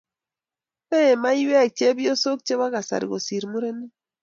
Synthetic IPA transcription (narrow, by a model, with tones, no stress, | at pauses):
pe˦˨ma˦i˦wɛ˦˨k̚t͡ʃe˦bi˦o˦so˦k̚t͡ʃe˦wa˦ɣa˨sa̰˨ɾḭ˨ɣo˨si˨ɾmu˦ɾe˦ne˦